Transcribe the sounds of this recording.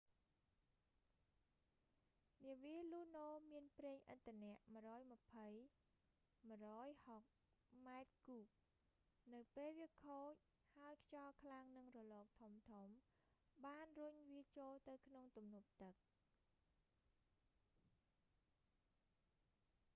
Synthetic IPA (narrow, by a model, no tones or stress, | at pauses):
niəʋiəluːnoːmiənpreːŋʔət̪ʰːănɛ̆əʔməəɾɔːjmə̆pʰəj | m̆rɔːjhok̚ | maɛt̪̚kuːk̚ | nɨwpeːlʋiəkʰoːc̚ | haɔjkʰt͡ɕɑlkʰlaŋnɨŋrɔlɔːk̚t̪ʰumt̪ʰum | ɓaːnruɲʋiət͡ɕoːlt̪ɨwkʰnoŋt̪umnŭəp̚t̪ɨk̚